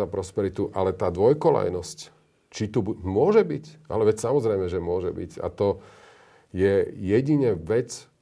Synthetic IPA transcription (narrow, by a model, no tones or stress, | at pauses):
apɾɔspɛɾit̪uʔalɛt̪aːd̪ʋɔjkɔla̰jnɔsc | t͡ʃit̪ubmʊɔʒɛbicʔa̰lɛʋɛcsamɔzɾɛjmɛʒɛmʊɔʒɛ̰bḭca̰t̪ɔ | jɛjɛɟiɲɛʋɛt͡s